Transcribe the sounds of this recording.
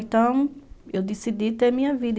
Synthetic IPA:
t̪ɐ̃w̃ewd̪isid̪it̪eɾmĩɲɐvid̪

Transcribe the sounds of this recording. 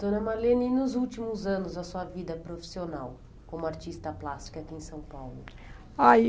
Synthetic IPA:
d̪̥õnɐmalenɪinʊzuwt͡ʃimʊzɐ̃nʊzɐsuɐvid̪ɐpɾofi̥sionaw | kõmʊaɾt͡ʃist̪ɐplast͡ʃi̥kɐakiẽsɐ̃w̃pawlʊ | a

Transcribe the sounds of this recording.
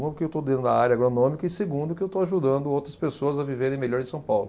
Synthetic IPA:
ũʊkɪewt̪od̪ẽnd̪ʊd̪ɐaɾjɐaɡɾonõmikɐiseɡũd̪ʊkɪewt̪oaʒud̪ɐ̃nd̪ʊowt̪ɾɐspesoɐzɐviveɾẽj̃meʎɔɾɪ̃sɐ̃w̃pawlʊ

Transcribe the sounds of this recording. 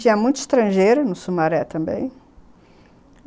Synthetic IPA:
ĩɲɐmũj̃t̪ʊi̥st̪ɾɐ̃ʒejɾʊnʊsumaɾɛt̪ɐ̃mbḛ̃j̃

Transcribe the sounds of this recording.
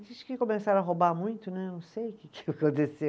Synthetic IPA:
ʒĩt͡ʃɪ̥kɪkomesaɾɐɦobamũj̃t̪ʊnɛwnɐ̃w̃sejʊkɪkkõt̪ese

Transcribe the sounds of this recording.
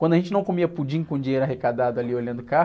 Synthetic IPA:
wɐ̃nd̪ɐʒẽnt͡ʃɪnɐ̃w̃komiɐpud͡ʒĩɲʊkõd͡ʒĩɲejɾaɦekad̪ad̪ʊaliolɐ̃nd̪ʊka

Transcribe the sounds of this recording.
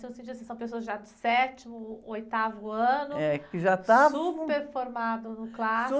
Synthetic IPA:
sewʊsẽnt͡ʃid̪sĩsɐ̃w̃pesoɐzʒad̪ʊsɛt͡ʃimʊojt̪avʊɐ̃nʊɛkɪʒat̪aũpeɾfoɾmad̪ʊnʊkla

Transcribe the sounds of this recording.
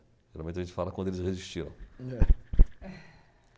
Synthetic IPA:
ʒeɾawmẽt͡ʃ̪aʒẽt͡ʃɪ̥falɐkwɐ̃nd̪ʊelɪsheziʃt͡ʃiɾɐ̃w̃ɛ

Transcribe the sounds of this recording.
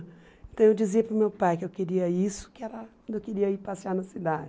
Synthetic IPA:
ẽt̪ɐ̃w̃ewd͡ʒiziɐpɾʊmewpajkɪewkeɾiɐisʊ̥kɪɛɾɐ | ẽkɪɾiɐipasɪanɐsid̪ad͡ʒ

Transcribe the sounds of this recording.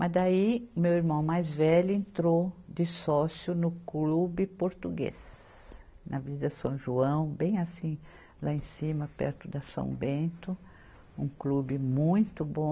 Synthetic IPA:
mʔɐzd̪aimewiɾmɐ̃w̃majzvɛʎʊẽnt̪ɾod͡ʒ̪ɪsɔsjʊnʊklubɪpoɾt̪uɡḛs | nɐvid̪ɐsɐ̃w̃ʒuɐ̃w̃bẽj̃asĩ | laẽsĩmɐpɛ̰ɾt̪ʊd̪ɐsɐ̰̃w̃bẽnt̪ʊ | ũklubɪmũj̃t̪ʊbõ

